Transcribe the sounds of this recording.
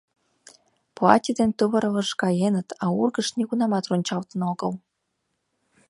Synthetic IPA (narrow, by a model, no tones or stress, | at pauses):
plˠɑ̰t̪ʲid̪ent̪ɨβɤ̆ɾɤlɤ̆ʂkɑjenə̆t̪ɑurɡə̆ʂnʲeɡunɑmɑt̪ronʲt͡ɕɑlt̪ə̆noɡɤ̆lˠ